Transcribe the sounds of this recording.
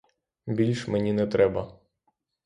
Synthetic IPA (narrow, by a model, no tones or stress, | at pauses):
bʲilʲʃmenʲinɛt̪ɾɛbɐ